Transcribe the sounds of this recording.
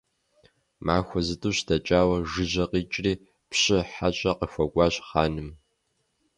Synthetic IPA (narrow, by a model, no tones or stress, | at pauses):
maːxʷɔzɨtʰʼuːɕdɐt͡ʃʼaːwɐʒɨʒʑɐqiːt͡ʃʼriː | pɕʼɪħat͡ʃʼɐqəxʷɐɡʷʼɑːɕχaːnɨm